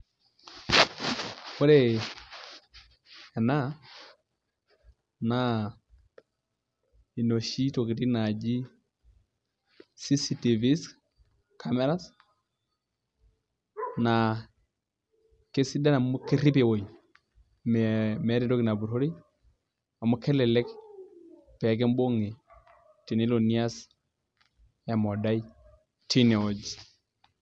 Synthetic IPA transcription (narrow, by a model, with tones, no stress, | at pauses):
ho˦ɾe | ɛ˨na˦ | na | i˨no˨ʃi˦to˨ki˨ti˦na˨d͡ʒi˦ | si˦si˦ti˨vi˦s | kame˦ɾa˦s | na˨ | ke˦si˦da˦na˨mʊ˦ke˦ɾi˦pe˨wo˨j | mɛmɛ˨˦ɾi˦to˦ki˨na˨bu˨ɾho˦ɾi˦ | a˨mʊ˦kʰːɛ˦lɛ˨lɛ˦k | pɛ˨k̬ɛ˦mbo˦ŋe˨ | ti˨ne˦lo˨ni˦a˦s | ja˨mɔ˨da˦i˦ | tʰi˦ne˨o˨d͡ʒ